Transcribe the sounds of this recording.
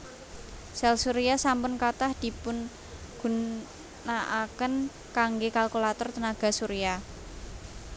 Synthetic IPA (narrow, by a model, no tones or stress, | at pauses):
sɛlsuɾiasampʊnkat̪ahd̪̥i̤pʊn | ɡ̥ṳnː | aʔakən | kaŋɡekalkulat̪ɔrt̪ənaɡ̥a̤suɾia